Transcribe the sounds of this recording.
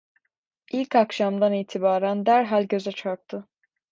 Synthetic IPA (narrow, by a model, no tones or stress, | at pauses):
ilʲcʰakʃamd̪aniːt̪ʰibaːɾænd̪æɾɦalʲɟø̞zɛt͡ʃʰaɾk̚t̪ʰɯ